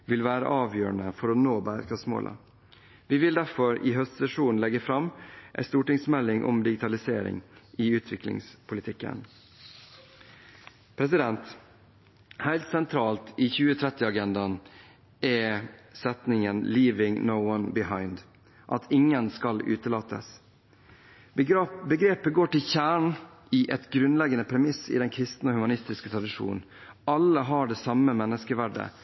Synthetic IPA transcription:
ʋɪlʋæːɾə̰ʔɑːʋjøːɳəfɔɾɔnoːbæːɾkʰɑsmo̰ːlə̰ | ʋɪʋɪld̪æɾfɔɾɪɦœst̪sɛʂuːn̩lɛɡəfɾɑmʔæ̰ɪst̪uːʈɪŋsmɛlːɪŋʔɔ̰md̪ɪɡɪt̪ʰɑlɪseːɾɪ̰ŋʔɪʉːt̪ʰʋɪklɪ̰ŋspʰʊlɪt̪ʰɪkːə̰n | pʰɾɛs̬ɪd̪ɛnt̪ | hæɪlt̪sɛnt̪ʰɾɑːlt̪iːçʉːət̪ʰɾɛt̪ːɪɑɡɛnd̪ɑn | ʔɛsɛt̪nɪŋənliːʋɪŋnoʊɔnbɪhɑɪnd̪ | ʔɑt̪ʰɪŋːənskɑlʉ̰ːt̪əlɑːt̪ə̰s | bəɡɾeːpəɡoːʈɪlçæːɳ | iːʔɛt̪ɡɾʉnlɛɡənəpʰɾɛmɪsɪ̰ːd̪ɛnkʰɾɪst̪n̩ohʉmɑnɪst̪ɪskət̪ʰɾɑd̪ɪʂṵːnnɑlːəɦɑɖeːsɑməmɛnːəskəʋæɖə̰

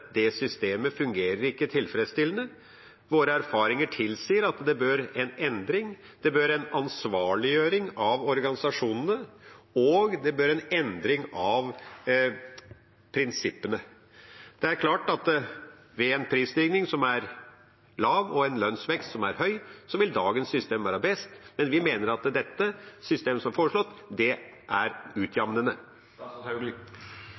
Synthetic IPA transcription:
d̪ɛsʏst̪eːməfʉŋɡeːɾəɾɪkːət̪ʰɪlfɾɛd̪st̪ɪlːənə | ʋoːɾəæɾfɑːɾɪŋəʈʰɪlsiːəɾɑt̪d̪ɛbøɾɛnɛnd̪ɾɪŋ | d̪̥ɛbøːɾɛnɑnsʋɑːɭɪjøːɾɪŋɑʋɔɾɡɑnɪsɑʂuːnənəɔɡd̪ɛbøːɾɛnɛnd̪ɾɪŋɑʋ | pʰɾɪnsɪpːənə | d̪̥ɛæɾkʰlɑːʈɑt̪ | ʋɛɛnpʰɾiːst̪iːɡnɪŋsɔmæɾ | lɑːʋɔɛnlœnsʋɛkst̪sɔmæɾɦœʏsɔʋɪld̪ɑːɡənsːʏst̪eːmʋæːɾəbɛst̪mɛnʋɪmeːnəɾɑt̪d̪ɛt̪ːəsʏst̪eːmsɔmfoːɾəʂɭɔt̪ːd̪ɛ | ʔæɾʉːt̪ʰjɑʋnənə

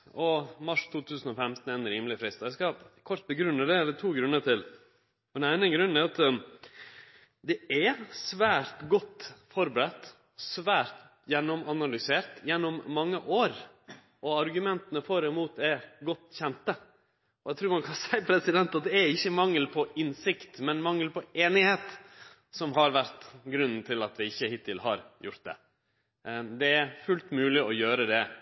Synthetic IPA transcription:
ɔmɑʂt̪ʰuːt̪ʰʉːsənɔfɛmt̪n̩ɛnəɾiːmlɪfɾɪst̪ɑæskɑkʰɔɾʈ̪t̪̚bəɡɾʉnːəd̪ɛæd̪ɛt̪ʰuːɡɾʉnːəʈɪl | ɔd̪ɛnæɪnəɡɾʉnːæɾɑt̪ | d̪ɛɛsʋæːɾt̪ɡɔt̪ːfɔɾbəɾɛt̪ː | sʋæːɾt̪ | jɛnːɔmɑnɑlʏseːɾt̪jɛnːɔmːɑŋːəʔoːɾ | ɔɑɾɡʉmɛnt̪ənəfɔɾɛmuːt̪ɛɾɡɔt̪ːçɛnt̪ə | ɔæt̪ʰɾʉːɾmɑnkʰɑnsæɪpʰɾɛsɪd̪ɛnt̪ɑt̪̚d̪ɛæɾɪçːəmɑŋːəlpʰɔɪnsɪkt̪mɛnmɑŋːəlpʰɔeːnɪheːt̪ | sɔmɦɑɾʋæɾt̪ɡɾʉnːn̩t̪ʰɪlɑt̪ʋɪɪçːəhɪt̪ʰɪlhɑ̰ɾjʊ̰ɾt̪̚d̪ɛ̰ | d̪ɛæɾfʉlt̪mʉːlɪʔɔjøːɾəd̪ɛ

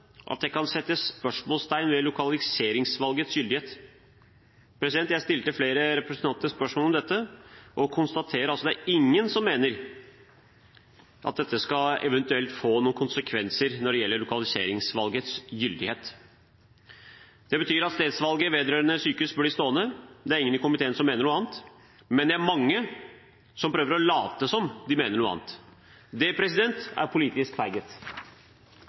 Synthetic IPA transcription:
ʔɑ̰t̪̚d̪ɛkɑnsɛt̪ːəspœʂmoːlst̪ʰæɪnʋɛlʊkʰɑlɪseːɾɪŋsʋɑlɡət̪sjʏld̪ɪheːt̪ | pʰɾɛsɪd̪ɛnt̪jæɪst̪ɪlt̪əfleːɾəɾɛpɾəsnʰɑnt̪əspœʂmolɔmd̪ɛt̪ːəʔɔkʰʊnst̪ɑt̪ʰeːɾəɾɑlsɔd̪æɪŋːənsɔmːeːnəɾ | ʔɑt̪̚d̪ɛt̪ːəskɑɛ̰ʋɛnt̪ʉɛlt̪foːnuːnkʰʊnsəkʰʋɛnsəɾnɔɖɛjɛlːəɭʊkɑlɪsḛːɾɪŋsʋɑlɡət̪sjʏld̪ɪheːt̪ | d̪̥ɛbət̪ʰyːɾɑt̪st̪eːd̪sʋɑlɡəʋeːd̪əɾœːɾənəsyːkəʉsbœlɪst̪oːənəd̪ɛæɾɪŋːənɪkʊmɪt̪eːənəsɔmːeːnəɳːəɑːnt̪ | mɛnd̪ɛæɾmɑŋːə | sɔmpɾøːʋəɾɔlɑːt̪əsɔmd̪ɪmeːnəɳuːɑ̰ːnt̪ | d̪ɛpʰɾɛsɪd̪ɛnt̪æ̰ɾpʰʊliːt̪ɪskfæɪɡət̪

